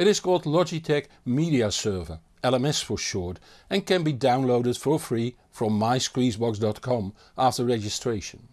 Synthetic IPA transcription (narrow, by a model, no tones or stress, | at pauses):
ɨɾɨz̥kʰɔlˠdˡlɑd͡ʒitʰɛk | miɾiɨsɜ˞və˞ | ɛlˠɛ̃mɛsfə˞ʃɔɹɾ | ɨ̃nkɨ̃nbidãʊ̃nloʊɾɨd̥fə˞fɹi | fɹʌ̃mːaɪskɹizbɑks̬dɑt̚kʰɑ̃m | ʔæftə˞ɹɛd͡ʒɨstɹ̥eɪʃɨ̃n